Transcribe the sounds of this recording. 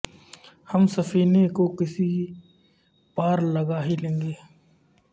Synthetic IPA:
həmsɐpʰiːnekokɪsi | paːɾlɐɡaːɦilẽːŋɡeː

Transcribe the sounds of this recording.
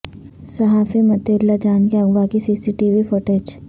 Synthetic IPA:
sɐɦaːfimɐt̪eːɾlad͡ʒaːnkeɐɡʋakisiːsiʈiʋifʊʈeːd͡ʒ

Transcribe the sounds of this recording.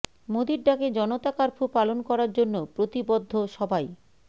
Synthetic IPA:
mod̪iɾɖaked͡ʑɔnot̪akaɾpʰupalonkɔɾaɾd͡ʑonːopɾot̪ibod̪ʱːoʃɔbaj

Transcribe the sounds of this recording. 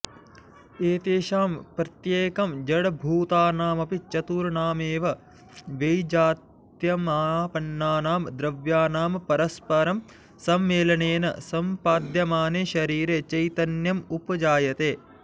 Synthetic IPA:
eːt̪eːʃaːmpɾɐt̪jeːkɐmd͡ʒɐɽbʱuːt̪aːnaːmɐpit͡ʃɐt̪uːɾɳaːmeːʋɐ | ʋejd͡ʒaːt̪ | jɐmaːpɐnːaːnaːmd̪ɾɐʋjaːnaːmpɐɾɐspɐɾɐm | sɐmːeːlɐneːnɐ̰sɐmpaːd̪jɐmaːneːʃɐɾiːɾeːt͡ʃɐjt̪ɐnjɐmupɐd͡ʒaːjɐt̪eː

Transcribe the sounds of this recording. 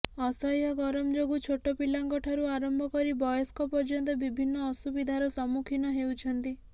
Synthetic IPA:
ɔsɔjɦɔɡɔɾɔmɔd͡ʒoɡut͡ʃʰoʈɔpilaŋkɔʈʰaɾuaɾɔmbʱɔkɔɾibɔjɔskɔpɔɾd͡ʒɔnt̪ɔbibʱinːɔːsubid̪ʱaɾɔsɔmukʰinɔɦewt͡ʃʰɔnt̪i

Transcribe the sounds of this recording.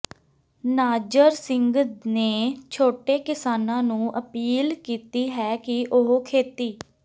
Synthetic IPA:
naːd͡ʒəɾsɪ̃ŋɡneːt͡ʃʰoːʈeːkɪsaːnãːnũːʔəpiːlkiːt̪iːɦɛːkɪʔʊɦokʰeːt̪iː

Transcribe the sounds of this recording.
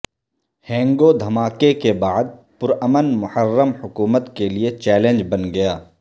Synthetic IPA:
hɛ̃ːŋɡod̪ʱɐmaːkekebaːd̪̚pʊɾəmənmʊhəɾːəmhʊkuːmət̪keliet͡ʃɛːlẽːnd͡ʒbɐnɡɐjaː

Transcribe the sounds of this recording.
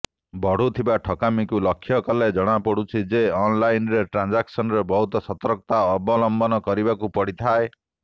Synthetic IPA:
bɔɽ̤ut̪ʰibaʈʰɔkamikulɔkʰːjɔkɔled͡ʒɔɽ̃apɔɽut͡ʃʰid͡ʒeɔnlajnɾeʈɾand͡ʒaksɔnɔɾebɔɦut̪ɔsɔt̪ɔɾkɔt̪aɔbɔlɔmbɔnɔkɔɾibakupɔɽit̪ʰae

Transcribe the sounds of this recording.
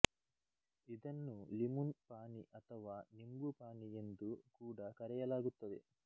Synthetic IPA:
id̪ɐnːulimunpaːniʔɐt̪ʰɐʋaːnimɡupaːnie̞nd̪ukuːɽakɐɾɛjɐlaːɡut̪ːɐd̪ḛ

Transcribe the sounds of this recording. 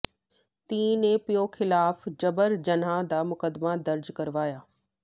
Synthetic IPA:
t̪ĩːnẽpijoxɪlaːfd͡ʑɐbəɾd͡ʑɐnãd̪aːmʊkəd̪mad̪ɐɾd͡ʑkɐɾʋaːjaː

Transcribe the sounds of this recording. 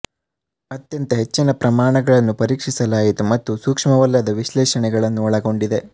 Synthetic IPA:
ɐt̪jɐnt̪ɐɦe̞t͡ʃːinɐpɾɐmaːɳɐɡɐɭɐnːupɐɾiːkʂisɐlaːjit̪umɐt̪ːusuːkʂmɐʋɐlːɐd̪ɐʋiʃlɛːʃɐnɛɡɐɭɐnːuɔɭɐɡo̞ɳɖid̪e̞

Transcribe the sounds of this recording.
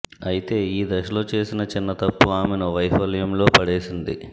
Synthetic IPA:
ɐjit̪e̞ːiːd̪ɐʃɐlo̞ːt͡ʃe̞ːsinɐt͡ʃinːɐt̪ɐpːuaːmenɐʋɐjɦɐljɐmlo̞ːpɐɽeːsind̪i

